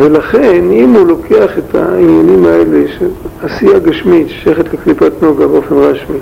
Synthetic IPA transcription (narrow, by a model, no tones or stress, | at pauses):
velaχenimhulo̞keaχetʰa̰inanimaeleʃeasijaɡaʃmitʃe̥ʃajaχet̪leklipatnoɡabeofe̞nʁaʃmi